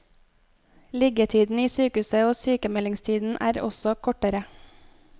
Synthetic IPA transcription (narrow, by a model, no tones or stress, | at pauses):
lɪɡət̪ʰiːd̪n̩iːsyːkʉːsəoːsyːkəmɛlɪŋst̪ʰiːd̪n̩ʔæ̰ːɾɔ̰sɔkʰɔʈəɾə